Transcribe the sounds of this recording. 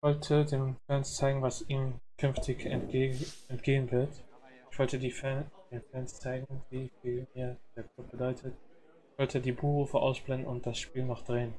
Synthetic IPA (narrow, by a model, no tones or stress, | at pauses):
ɪçv̥ɔltʰədeːnfɛnst͡saɪɡŋ̩vasiːmkʰʏnftʰɪçɛ | ɛntɡ̥eːənvɪɐt | ɪçv̥ɔltədiːɛd̥eːnfɛnst͡saɪɡŋ̩viːfiːlmiːɐd̥eːɐkʰl̥ʊp̚b̥ədɔʏtʰət | ɪçv̥ɔltʰədiːbuːʁuːfəʔa̰ʊsb̥lɛndn̩ʊnt̚d̥asʃpiːlnɔχd̥ʁeːən